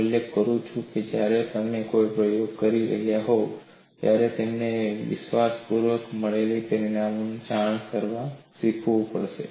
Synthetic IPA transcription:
uljekkəɾũt͡ʃʰũked͡ʒjaɾet̪əmnekojpɾəjoɡ̚kəɾiɾə̰ɦjaɦo | t̪jaɾet̪emneʋɪ̰ʃʋaspuɾʋəkməɭelipəɾinamunt͡ʃaɳ̃kəɾʋasikʰʋũpə̰ɭʃḛ

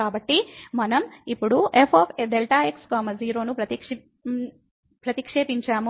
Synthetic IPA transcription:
aːbɐʈːimɐnɐmipːuɽuʔepʰaːpʰed̪elʈaːekskaːmɐziːɾo̞ːnupɾɐt̪ikʂ | pɾɐt̪ikʂeːpiɲt͡ʃaːmu

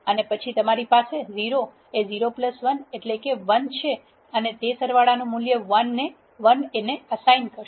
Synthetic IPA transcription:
ənepət͡ʃʰit̪əmaɾipaseziɾo | eziɾopləsʋəneʈlekeʋənt͡ʃʰe | ənet̪esəɾʋaɭanũmuljəʋənːe | ʋəneneəsainkəɾʃ

